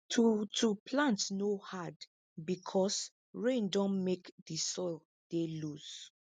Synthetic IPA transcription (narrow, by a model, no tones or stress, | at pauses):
tʰutʰupʰlãntnohad | bikʰɔs | ɹẽndɔ̃nmekdisɔɪl | d̥eluz̥